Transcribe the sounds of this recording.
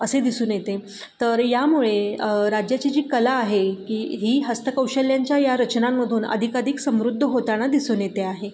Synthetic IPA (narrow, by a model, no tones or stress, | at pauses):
əsed̪isuːnjet̪e | t̪əɾjamuɭeɾad͡ʑjat͡ɕad͡ʑiːkəlaːɦekiːɦiːɦəst̪əkəwɕəljaɲt͡ɕjajaɾət͡ɕnamːəd̪ʱuːnə̰d̪ʱikaɾiksəmɾud̪ʱːəɦot̪añad̪isuːnjet̪eaɦe